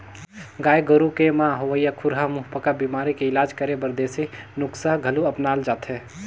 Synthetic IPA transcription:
ɡaːjɡəɾukemãɦoʋəjakʰʊɾɦamuɦpəkabimaːɾikeɪlaːd͡ʒkəɾebəɾd̪eːsinʊksaɦɡʱəluəpnaːld͡ʒaːt̪ɦɛ

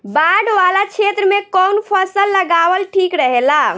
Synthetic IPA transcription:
baɖʋalat͡ʃʰet̪ɾəmekɔnpʰəsəlːəɡaʋəlʈʰikɾəɦela

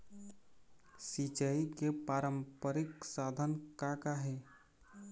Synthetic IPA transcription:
sit͡ʃəikepaɾəmpəɾɪksad̪ʱənkakaɦe

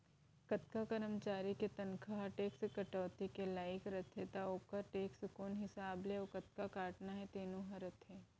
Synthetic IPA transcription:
kɐt̪̚kakɐɾəmt͡ʃaːɾiket̪ɐnkʰaɦɐʈeːksekɐʈɔːt̪ikelaːɪkɾɐt̪ʰɦet̪aoːkəɾʈeːksʊkuːnɦɪsaːbleokɐt̪̚kakaːʈnaɦɛt̪eːnuɦɐɾɐt̪ʰɦɛː

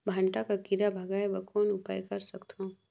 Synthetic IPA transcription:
bʱɐ̃ɳʈakakiɾabʱɐɡaːjbɐkoːnʊpa̰ːjkɐɾsɐkt̪ʰõ

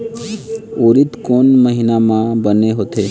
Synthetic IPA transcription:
oːɾɪt̪koːnməɦɪnamãbəneɦoːt̪eː

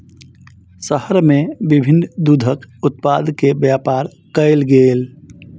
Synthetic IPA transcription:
səɦəɾmebibʱinːd̪ud̪ʱəkʊt̪̚pad̪ʱkebjapaɾ | kəɪlɡel

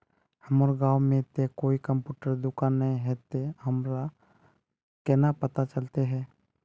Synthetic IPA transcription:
həmoɾɡaːwmẽt̪ekoːikə̃mpjuːʈəɾd̪ʊkãnːəɦĩɦɛt̪eɦəmɾa | kɛːnapət̪at͡ʃəlt̪eɦɛː

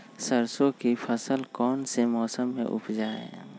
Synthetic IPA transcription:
səɾsõkipʰəsəlkɔːnsemɔːsəmːḛ̃ʔʊ̰pʰd͡ʒaːɛ̰

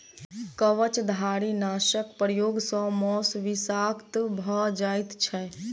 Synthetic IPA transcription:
kəʋət͡ʃd̪ʱaɾinaʃəkpɾəjoːɡsɔ̃mɔsʋisakt̪bʱəd͡ʒait̪t͡ʃʰɛ

